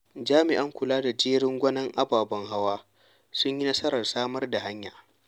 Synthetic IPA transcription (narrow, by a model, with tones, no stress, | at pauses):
d͡ʒaː˦mɪ˨ʔɐ˦ŋkʷʊ˨laː˦da˨d͡ʒeː˦ɽɪ˦ŋɡʷɐ˦nɐ˦ŋʔa˦baː˨bɐ˦ŋɦa˦waː˦ | sʊ˦ɲji˦nɐ˦sɐ˦ɾɐ˨rsaː˦mɐ˦rda˨ɦa˦ɲja̰ː˨